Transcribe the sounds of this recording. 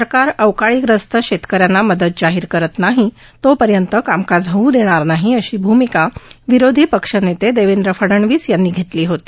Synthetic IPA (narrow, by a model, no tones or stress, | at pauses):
səɾkaɾəwkaɭiːkɾəst̪əɕet̪kəɾjanːaməd̪əd̪̚d͡zaɦiːɾkəɾət̪naɦi | t̪opəɾjənt̪əkamkad͡zɦəud̪eɽ̃aɾnaɦiəɕiːbʱumikaʋiɾod̪ʱiːpəkʂənet̪ed̪eʋind̪ɾəfəɽəɳʋiːsjanːiːɡʱet̪liːɦot̪i̥ː